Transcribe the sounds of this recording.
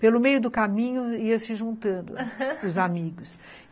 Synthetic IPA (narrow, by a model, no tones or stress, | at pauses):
pelʊmejʊd̪ʊkamĩɲʊiɐsɪʒũnt̪ɐ̃nd̪ʊ̰ʊzamiɡʊs